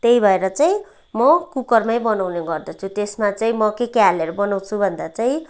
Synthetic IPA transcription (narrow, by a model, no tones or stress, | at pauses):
t̪ejbʱʌeɾʌt͡saĩ | mʌkukʌrmajbʌnawneɡʌrd̪ʌt͡sʰut̪esmat͡saĩmʌkekaleʌɾubʌnaw̃t͡sʰubʱʌnd̪at͡saĩ